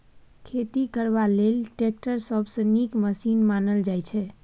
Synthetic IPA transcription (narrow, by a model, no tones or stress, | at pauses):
kʰet̪ikəɾbalelʈek̚ʈəɾsəbsə̃nikməsinmanəld͡ʒajt͡ʃʰɛ